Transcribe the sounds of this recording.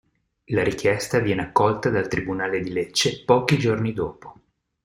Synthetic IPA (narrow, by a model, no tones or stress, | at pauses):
laɾik̟jɛst̪avjɛːneakːɔlt̪ad̪alt̪ɾibunaːled̪ilet͡ʃːepɔːkid͡ʒornid̪ɔːpo̥